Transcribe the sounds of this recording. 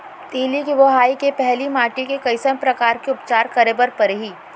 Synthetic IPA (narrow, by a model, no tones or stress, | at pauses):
t̪iːlikiʋoɦaːikepɛɦlimaːʈikekɐɪsəmpɾɐkaːɾkeʊpt͡ʃaːɾkɐɾebɐɾpɐɾɦiː